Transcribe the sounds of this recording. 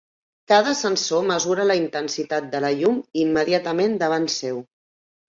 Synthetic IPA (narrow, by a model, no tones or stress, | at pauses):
kaðəsənsoməzuɾələint̪ənsit̪at̪̚d̪ələʎumimːəðiat̪əmend̪əβ̞ansew